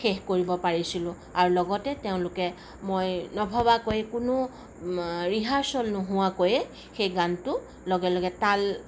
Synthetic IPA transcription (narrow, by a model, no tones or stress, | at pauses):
xexkoɹibɔpaɹisilʊ̃ | aɹulɔɡɔtɛteʊ̃lʊkɛ | mojnɔbʱabakojɛkʊnʊ | ɹiɦaɹsɔlnʊɦʊwakojɛ | xejɡantʊ | lɔɡɛlɔɡɛtal